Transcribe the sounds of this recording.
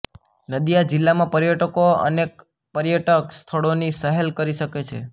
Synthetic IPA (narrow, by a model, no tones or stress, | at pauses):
nəd̪ijad͡ʒɪlːamãpəɾjəʈəkoə̰nek̚ | pəɾjəʈəkst̪ʰəɭonisəɦelkəɾiʃəket͡ʃʰḛ